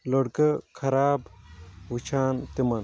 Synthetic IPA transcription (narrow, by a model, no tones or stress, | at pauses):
loɽkɐkʰɐɾaːbʋut͡ʃʰaːnt̪imɐn